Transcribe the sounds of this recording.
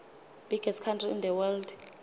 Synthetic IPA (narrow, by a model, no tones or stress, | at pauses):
b̥ʱiɡ̥ɛstkʰantʰriḭnd̪ɛwɛld